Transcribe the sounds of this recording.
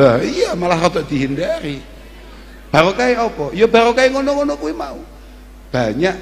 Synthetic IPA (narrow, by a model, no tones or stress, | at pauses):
bahijamalahrɔt̪ɔʔd̪̥i̤ɦindaɾi | b̥a̤ɾokaiɔpɔijɔba̤ɾokaiŋonɔŋonɔkuwimau | b̥a̤ɲaʔ